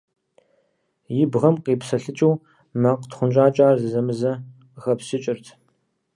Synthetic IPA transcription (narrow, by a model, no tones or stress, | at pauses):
jɪbʁɐmqiːpsɐɬɨt͡ʃʼɐw | mɐqtχʷʊnt͡ʃʼaːt͡ʃʼaːrzɨzɐmɨzɐ | ʁɐpsɪt͡ʃʼɪrtʰ